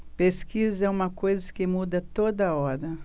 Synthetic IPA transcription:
peskizɛũmɐkojzɐkɪmud̪ɐt̪od̪ɐɐɔɾɐ

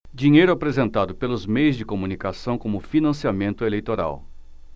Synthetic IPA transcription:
d͡ʒiɲejɾʊapɾezẽnt̪ad̪ʊpelʊzmejʊzd͡ʒɪkomũnikasɐ̃w̃kõmʊfinɐ̃siamẽnt̪ʊelejt̪oɾa̰w

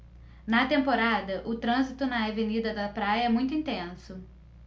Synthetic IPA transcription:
nɐt̪ẽmpoɾad̪ɐʔʊt̪ɾɐ̃zit̪ʊnɐɐvenid̪ɐd̪ɐpɾajɐɛmũj̃t̪̬ʊĩnt̪ẽsʊ

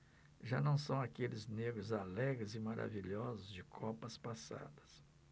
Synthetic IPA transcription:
ʒanɐ̃w̃sɐ̃w̃akelɪzneɡɾʊzalɛɡɾɪzɪmaɾʔa̰viʎɔzʊzd͡ʒɪkʰɔpɐspasa̰d̪ɐs

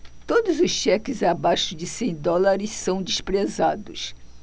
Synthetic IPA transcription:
t̪od̪ʊzʊsʃɛkɪzabajʃʊd͡ʒɪsẽj̃d̪ɔlaɾɪssɐ̃w̃d͡ʒ̪ɪspɾezad̪ʊs

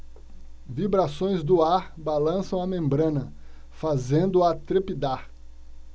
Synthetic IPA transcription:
vibɾasõj̃zd̪ʊaɾbalɐ̃sɐ̃w̃ɐmẽmbɾɐ̃nɐ | fazẽnd̪ʊat̪ɾepid̪aɾ

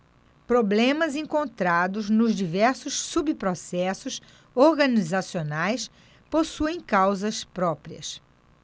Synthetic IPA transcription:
pɾoblẽmɐzẽŋkõnt̪ɾad̪ʊznʊzd͡ʒivɛɾsʊsːubipɾosɛsʊs | oɾɡɐnizasionajs | posuẽj̃kawzɐspɾɔpɾiɐ̰s

